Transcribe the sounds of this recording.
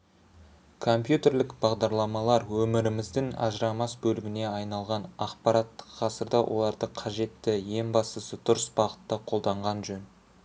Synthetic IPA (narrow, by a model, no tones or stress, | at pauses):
kʰo̞mpjut̪e̞ɾlɪkbɑʁd̪ɑɾlˠɑmɑlˠɑɾwɵmɪɾɪmɪzd̪ɪŋɑ̰ʒəɾɑmɑsbɵlɪɡʲɪne̞ɑjnɑlˠʁɑnɑqpɑɾɑt̪ːə̥qʰːɑsəɾd̪ɑwʔo̞̰lˠɑɾd̪əqʰɑʒe̞t̪ːɪje̞mbɑst̪əsət̪ʰʊɾəsbɑʁət̪ːəqʰo̞lˠd̪ɑɴʁɑnʒɵn